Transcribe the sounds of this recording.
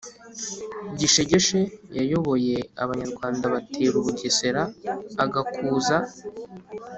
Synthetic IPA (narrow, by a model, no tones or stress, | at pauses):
ɟiʃe̞ɟe̞ʃejajo̞βo̞je̞a̰βaɲaɾɡwaːndaβatʰeːɾuβuɟese̞ɾaːɡakʰuːza